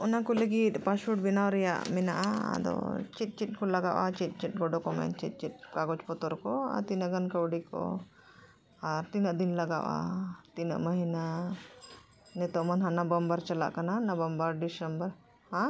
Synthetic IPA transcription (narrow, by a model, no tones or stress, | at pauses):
ɔnakuleɡit̪pasuʈ̚binawɾɛja̰ʔmɛna̰ʔa̰d̪ɔ̰t͡ʃit̪̚t͡ʃiʈ̪̚kɔlɐɡa̰ʔa̰t͡ʃit̪̚ˀt͡ʃiʈ̚ˀɡɔɖɔkɔmɛ̰nt͡ʃit̪̚ˀt͡ʃit̪̚kaɡot͡ʃpɔt̪ɔɾkɔa̰t̪inəɡɐnkɐwɽiko̰ | aɾt̪inəʔd̪inlɐɡa̰wa̰t̪inə̰ʔmɐɦina | nɛt̪ɔmɐnɦanɐbɐmbaɾt͡ʃɐla̰ʔkɐnanɐbɐmbaɾɖisɐmbəɾ | hã